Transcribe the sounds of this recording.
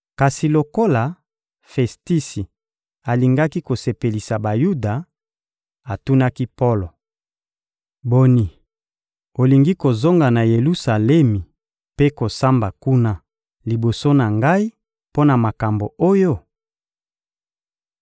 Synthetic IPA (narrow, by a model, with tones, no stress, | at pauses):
ka˨si˨lo˨ko˦la˨ | fɛ˨sti˦si˨ | a˨li˨ŋɡa˦ki˦ko˨se˨pe˨li˨sa˨ba˨ju˦da˨ | a˨tu˦na˦ki˦po˦lo˨ | bo˨ni˨ | o˨li˨ŋɡi˦ko˨zo˦ŋɡa˨na˨je˨lu˦sa˨le˦mi˨ | pe˦ko˨sa˦mba˨ku˦na˦ | li˨bo˨so˦na˨ŋɡa˦i˦ | po˦na˨ma˨ka˨mbo˨o˦jo˦